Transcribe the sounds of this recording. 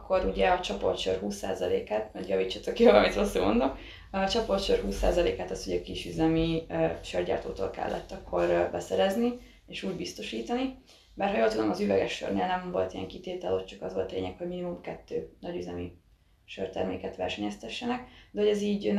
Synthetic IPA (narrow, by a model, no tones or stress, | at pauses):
kʰːo̞ɾuɟɛɒt͡ʃɒpo̰t̪ʃørɦuːsːa̰ːzɒlḛːkaːt̪ɒɟjɒviːt͡ʃːot̪ːokjoɒmit̪ɾosḛːmond̪o̞k | ɒt͡ʃɒpo̞t̪ʃørɦuːsːa̰ːzɒleːkaːt̪ɒshoɟɒkiʃyzɛmiʃørɟa̰ːrt̪o̰ːt̪o̰ːlkɛ̰lːʔɛ̰t̪ːɒkːo̞rbɛsɛɾɛzni | eːʃuːɟbist̪o̞ʃiːt̪ɒni | bɛːrhɒjolt̪ud̪omɒzyvɛɡɛʃːø̰rneːlnɛmvo̞̰lt̪ijɛ̰ŋkit̪eːt̪ɛlot̪t͡ʃɒkɒzʋo̞lt̪lḛːɲɛkho̞ɟminimumkɛt̪ːøːnɒɟyzɛmi | ʃørt̪ɛ̰rmḛːkɛt̪ʋɛ̰rʃɛɲɛst̪ɛʃːɛnɛkd̪ɛɦoɟɛziːɟn